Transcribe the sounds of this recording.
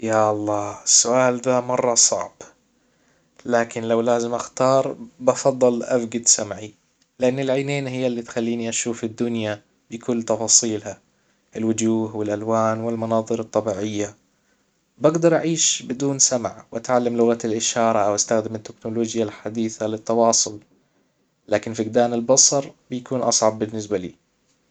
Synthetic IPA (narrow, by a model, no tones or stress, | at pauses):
jaʔɑlˤːɑːɪsːʊʔaːld̪aːmɑrˤːɑsˤɑ̰ʕb̥ | laːkɪnlawlaːzɪmʔaxt̪ɑːɾˤbɑfɑðˤːɨlʔafɡɪd̪samʕi | lɪʔanːɪlʕaːneːnɦɪjːalːiːt̪xalːiːniʔaʃuːfɪd̪ːʊnja | bɪkʰʊlːt̪ɑfɑːsˤiːlha | ɪlwʊd͡ʒuːɦwɪlʔalwaːnwɪlmɑnɑːðˤɨɾɨt̪ˤːɑbiːʕɪjːa | baɡd̪ɑɾˤʔaʕiːʃbɪd̪uːnsamʕwʔat̪ʕalːamlʊɣat̪alʔɪʃɑːɾˤɑʔawʔast̪axd̪ɪmɪt̪ːɪknʊloːd͡ʒjalħad̪iːθalɪt̪ːɑwɑːsˤʊl | laːkɪnfiɡd̪aːnɪlbɑsˤɑɾˤbɪjkuːnʔɑsˤʕɑbbɪnːɪs̬balḭː